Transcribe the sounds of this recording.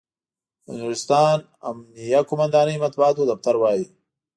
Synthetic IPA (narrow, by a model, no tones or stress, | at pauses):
nuɾɪst̪ɑːn | a̰mnijakʊmand̪ɑːnəjmat̪̚buɑːt̪od̪aft̪aɾwɑːji